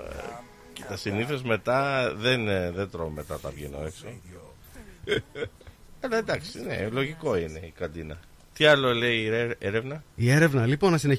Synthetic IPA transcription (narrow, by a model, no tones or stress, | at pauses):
cet̪ɐsiniθozme̞t̪ɐðenðend̪ɾomme̞t̪ɐt̪ɐ̰vʝeno̞̰e̞kso̞ | ɐlɐend̪ɐksine̞̰lo̞ʝiko̞ine̞ikɐnd̪inɐ | t̪iɐlo̞le̞ieeɾevnɐie̞ɾe̞vnɐlipo̞nɐsine